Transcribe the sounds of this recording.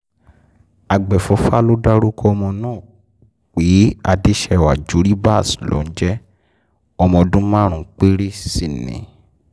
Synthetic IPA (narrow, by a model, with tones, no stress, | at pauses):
a˨ɡ͡bɛ˨fɔ˨˧˦fa˦lo˦da˦ɾu˦kʰɔ˦ɔ˧mɔ̃˧nãː˦˨ | k͡pi˨˦a˧di˦ʃɛ˧˨wa˨d͡ʒu˨˦ɾi˦ba˦˨slo̰˨˦n̩˦d͡ʒɛ˦ | ɔ˧mɔ̃˧dũ˦mã˦ɾ̃ũ˨˦k͡pe˦ɾi˦si˨nḭ̃˨